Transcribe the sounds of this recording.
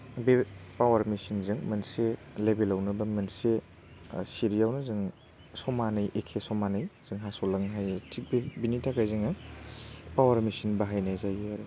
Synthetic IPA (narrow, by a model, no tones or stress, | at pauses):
bepawɐɾmisinzɯŋmɐnselebelawnɐbɐmɐnse | siɾijawnɐzɯŋ | sɔmanɯjʔekʰesɔmanɯjz̥ɯŋɦasolɐŋɦajtʰik̚bbinitʰakajzɯŋɐ | pawɐɾmisinbaɦajnazajaɾe